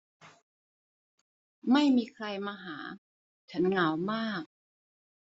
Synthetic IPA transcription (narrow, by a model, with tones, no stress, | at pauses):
ma˥˩jmiː˧kʰɾa˧jmaː˧ɦaː˩˦ | t͡ɕʰa˦˥nŋa˨˦wmaː˥˩k̚